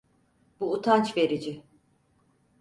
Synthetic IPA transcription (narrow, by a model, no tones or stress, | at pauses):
buːt̪ʰant͡ʃve̞ɾid͡ʒɪ